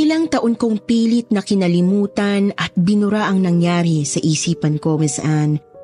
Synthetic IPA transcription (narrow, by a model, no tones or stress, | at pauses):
ʔɪlaŋt̪ɐʔonkoŋpiːlɪt̪̚nɐkɪnɐlɪmuːt̪ɐnʔɐt̪̚bɪnʊɾaʔɐŋnɐŋjaːɾisɐʔiːsiːpɐnkomɛsʔan